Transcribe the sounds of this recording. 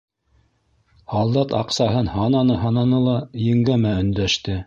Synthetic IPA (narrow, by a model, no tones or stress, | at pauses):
hɑlˠd̪ɑt̪ɑ̰qsɑɦɤnhɑnɑnɤɦɑnɑnɤlˠɑjɘ̆ŋɡæmæɵ̆nd̪æʃt̪ɘ